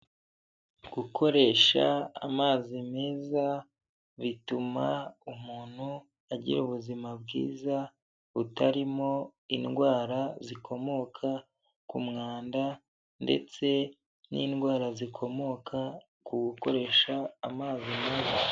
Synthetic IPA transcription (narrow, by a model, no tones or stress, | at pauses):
ɡ̥ukʰo̞ɾe̞ʃa̰ːmaːzime̞ːza | βitumaumuːn̥hu | aɟḭɾuβuzimabɡḭːza | βutaɾimo̞inɡwaːɾazikʰo̞mo̞kʰa | kumŋaːnda | nde̞̰t͡se̞ | nḭːnɡwaːɾazikʰo̞mo̞kʰa | kuɡuko̞ɾe̞ːʃaːmaːzime̞ːza